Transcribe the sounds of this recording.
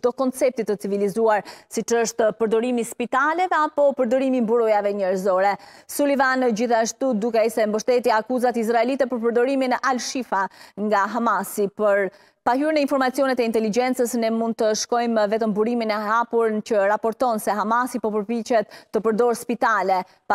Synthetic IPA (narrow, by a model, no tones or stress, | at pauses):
d̪ɔkɔnt͡sɛp̚t̪it̪ːət͡sivilizuaɾsit͡ʃəʃt̪pəɾd̪ɔɾimispit̪alɛvɛapɔpəɾd̪ɔɾimimbuɾɔjavɛɲɛɾzɔɾɛsulivanːəd͡ʑiθaʃt̪ud̪ukɛisɛmbəʃt̪ɛt̪iakuzat̪is̬ɾaɛlit̪ɛpəɾp̬əɾd̪ɔɾiminɛʔalʃifaŋɡaɦamasipəɾ | pahyɾnɛinfɔɾmat͡sijɔnɛt̪ɛint̪ɛlid͡ʒɛnt͡səsnɛmund̪̚t̪əʃkɔjmvɛt̪əmbuɾiminɛɦapuɾnt͡ɕəɾapɔɾt̪ɔnsɛɦamasipɔpəɾpit͡ʃɛt̪ːəpəɾd̪ɔɾspit̪alɛ